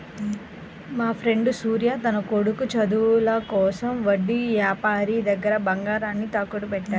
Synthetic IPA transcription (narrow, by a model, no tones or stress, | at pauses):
maːpʰɾe̞ɳɖusuːɾjaːt̪ɐnɐkoɽukut͡ʃɐd̪ulɐkɔːsɐmʋɐɖːiʋjaːpaːɾid̪ɐɡːɐɾɐbɐŋɡaːɾaːnːit̪ɐkːuʈupɛʈːaːɾu